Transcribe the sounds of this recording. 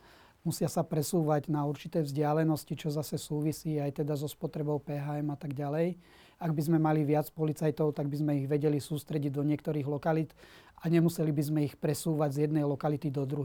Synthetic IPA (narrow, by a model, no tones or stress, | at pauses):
musɪasapɾɛsuːʋaɟnauɾt͡ʃit̪ɛːvzɟɪalɛnɔscit͡ʃɔzasɛsuːʋisiːajt̪ɛd̪azɔspɔt̪ɾɛbɔʊpɛːɦaɛmat̪aɡɟalɛj | aɡbizmɛmaliʋɪat͡spɔlit͡sajt̪ɔʊt̪aɡbizmɛiɣʋɛɟɛlisuːst̪ɾɛɟiɟd̪ɔɲɪɛk̚t̪ɔɾiːɣlɔkalit̪ | aɲɛmusɛlibizmɛixpɾɛsuːʋaɟzjɛd̪nɛjlɔkalit̪id̪ɔd̪ɾuɦ